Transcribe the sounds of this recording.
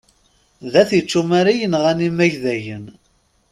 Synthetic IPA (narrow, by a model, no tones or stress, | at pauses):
ðæθit͡ʃːumaɾijənʁænimæʝðæʝən